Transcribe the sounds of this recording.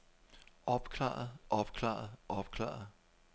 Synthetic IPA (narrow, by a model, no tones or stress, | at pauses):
ɒ̽b̥kʰlɑ̰̈ːð̩ˠʔɒ̽b̥kʰlɑ̰̈ːð̩ˠʔɒb̥kʰlɑ̰̈ːðˠ